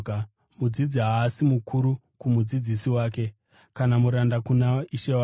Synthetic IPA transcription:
mud͡zid͡ziɦaːsimukʰuɾu | kumud͡zid͡zisiwaːke̞ | kanamuɾandakunaiʃewa

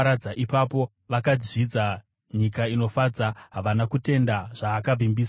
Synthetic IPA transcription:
ɾad͡zaʔipapo̞ | ʋakad͡zid͡za | ɲikaino̞fad͡zaɦaʋanakute̞ndaʐ̥aːkavimbiːs

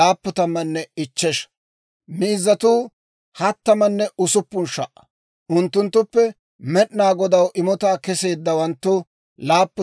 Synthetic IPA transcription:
aːpːʊt̪ɐmːɐnːɛɪt͡ʃːɛʃ | miːzːɐt̪uː | hɐt̪ːɐmɐnːɛʔʊsʊpːʊnʃɐʔːɐ̥ | ʔʊnt̪ːʊnt̪ːʊpːɛ | mɛɗnaːɡɔd̪ɐwʔɪmɔt̪aːkɛse̞ːd̪ːɐwɐnt̪ːʊ | laːpːʊ

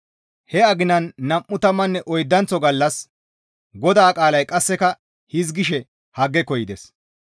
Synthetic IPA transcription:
hɛɐɡɪnɐnːɐmʔːʊt̪ɐmːɐnːɛʔɔjd̪ːɐnt͡sɔɡɐlːɐs | ɡɔd̪aːkʼaːlɐjkʼɐsːɛkɐ | hɪzɡɪʃɛ | hɐɡːɛkɔjɪd̪ɛs

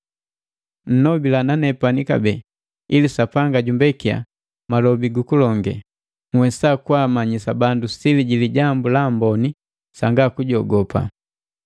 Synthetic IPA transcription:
n̩nɔbilananɛpanika̰bɛ | ilisapaŋɡaɟumbɛkia̰ | malɔbiɡukulɔŋɡɛ̰ | ŋwɛsakwamaɲisabandusiliɟiliɟambulambɔni | saŋɡakuɟɔɡɔpa̰

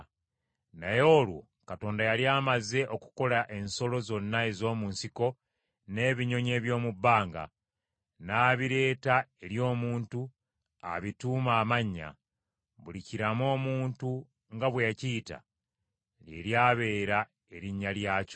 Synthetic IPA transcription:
najo̞ːlwo̞̰ | kato̞ːndajaljaːmaze̞ʔo̞ku̥ko̞laʔe̞nso̞lo̞zo̞nːae̞zo̞ːmunsiko̞ | ne̞ːβiɲo̞ɲe̞ːβjo̞ːmubːaːŋɡa̰ | naːβiɾe̞ːtae̞ɾjo̞ːmuːntu | a̰βituːmaːmaɲːa̰ | βuliciɾamo̞ːmuːntu | ŋɡaβwejaciːta̰ | lje̞̰ljaːβe̞ːɾa | e̞ɾiɲːaljaːco̥

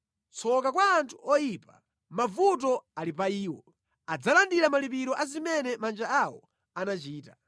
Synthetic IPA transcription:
t͡sʰɔkakwaːntʰu̥ɔjipa | mavut̬ɔalipaiːwɔ̰ | ad͡zalandiɾamalipiɾɔʔazimɛnɛmand͡ʒaawɔ̰ | anat͡ʃiːta

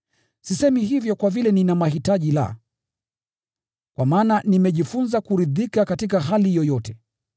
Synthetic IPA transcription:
sisɛmiɦivjɔkwavilɛninamaɦitaʄila̰ | kwamaːnanimɛʄifunzakuɾiðikakatik̬aɦalijɔjɔtɛ

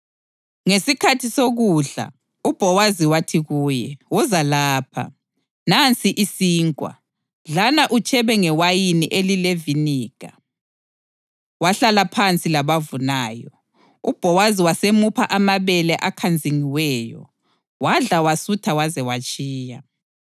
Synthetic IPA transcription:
ŋesikʰatʰisoɣuɮa̰ | ub̥ʱɔwaziwatʰiɣuːjɛwɔzalaːpʰa̰ | nant͡sʼiʔisiːŋkʼwa̰ | ɮanaʔut͡ʃʼɛβɛŋɛwajiniʔelileviniːɡ̥a̰ | waɬalapʰant͡sʼilaβavunaːjɔ | ṵb̥ʱɔwaziwasemupʰaʔamaβɛlɛʔakʰand͡zʱiŋiwɛːjɔ̰ | waɮawasutʰawazɛwat͡ʃʼiːja

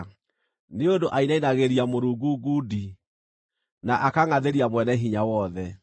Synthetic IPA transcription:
neondoʔainainaɣeɾiamoɾuːɡuɡudi | naʔakaŋaðeɾiamwɛnɛɦiɲawɔðɛ

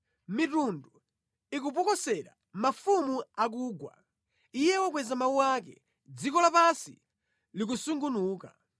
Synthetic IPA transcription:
mitundu | ik̬up̬ɔkɔsɛɾa̰ | mafumuak̬uːɡwa̰ | ijɛwɔk̬wɛzamawuwak̬ɛ̰ | d͡zikɔlapasḭ | lik̬usuŋɡunuːka̰

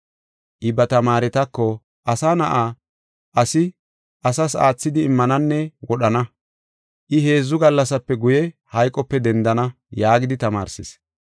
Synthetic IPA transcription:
ʔɪbɐt̪ɐmaːɾɛt̪ɐkːɔ | ʔɐsaːnɐʔa | ʔɐsɪ | ʔɐsɐsa̰ːt͡sːɪd̪ɪːmːɐnɐnːɛwɔɗɐnɐ | ʔɪɦe̞ːzːʊɡɐlːɐsɐpːɛɡʊjɛhɐjkʼɔpːɛd̪ɛnd̪ɐnɐ | jaːɡɪd̪ɪt̪ɐma̰ːɾsɪs

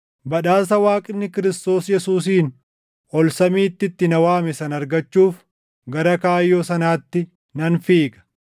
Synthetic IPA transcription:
bɐᶑaːs̬ɐwaːkʼɪnːɪkɪɾɪst̪o̞ːsjɛsuːs̬iːn | ɔlsɐmiːt̪ːɪt̪ːɪnɐwaːmɛsɐnɐɾɡɐt͡ʃːuːf | ɡɐɾɐkaːjːoːsɐnaːt̪ːɪ | nɐnfiːkʼɐ̥

